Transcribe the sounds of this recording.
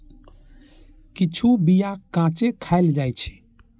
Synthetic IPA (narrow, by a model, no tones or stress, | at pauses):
kit͡ʃʰubijakãt͡ʃekʰaɪld͡ʒajt͡ʃʰɛ̥